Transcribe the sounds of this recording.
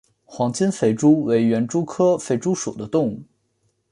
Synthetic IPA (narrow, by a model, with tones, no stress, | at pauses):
xwɑ˧˥ŋt͡ɕi˥nfe˥˩ɪʈ͡ʂu˥we˧˥ɪɥɛ˧˥nʈ͡ʂu˥kʰɤ˥fe˥˩ɪʈ͡ʂu˥ʂṵ˨˩d̪ə˦t̪ʊ˥˧ŋu˥˩